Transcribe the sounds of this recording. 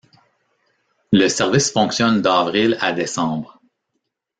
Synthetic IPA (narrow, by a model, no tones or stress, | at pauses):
ləsɛʁvisfɔ̃ksjɔnd̪ɑːvʁɪla̰d̪esɑ̃ːbʁ